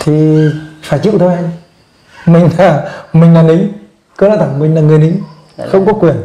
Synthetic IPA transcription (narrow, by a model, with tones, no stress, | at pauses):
t̪ʰi˨˩faː˧˩t͡ɕḭ˧˨wt̪ʰo˧jʔa˧ŋ̟ | mï˨˩ŋ̟laː˨˩mï˨˩ŋ̟laː˨˩nɗi˨˦ŋ | kɨ˨˧˦lɔ˧˥t̪ʰa˧˩ŋmï˨˩ŋ̟laː˨˩ŋɨ˨˩əjɗi˨˦ŋ | xə˧wŋ͡mkɔ˨˦kwi˨˩ən